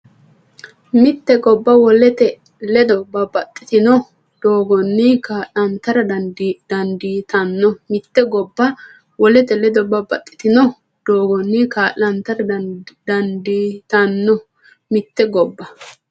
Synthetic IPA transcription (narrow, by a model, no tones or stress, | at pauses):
mɪt̪ːɛɡɔbːɐwɔlɛt̪ɛ | lɛd̪ɔbɐbɐt̪ʼːɪ̥t̪ɪnɔ | d̪̥oːɡɔnːɪkaːʔɐnt̪ɐɾɐd̪d̪̥ɐnd̪iːt̪ɐnːɔmɪt̪ːɛɡɔbːɐ | wɔlɛt̪ɛlɛd̪ɔbɐbɐt̪ʼːɪ̥t̪ɪnɔ | d̪̥oːɡɔnːɪkaːlɐnt̪ɐɾɐd̪ɐnd̪it̪ɐnːɔ | mɪt̪ːɛɡɔbːɐ